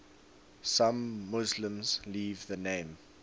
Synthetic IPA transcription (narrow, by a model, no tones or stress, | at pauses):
sãmːʊzlə̃mz̥liːvðənẽɪ̃m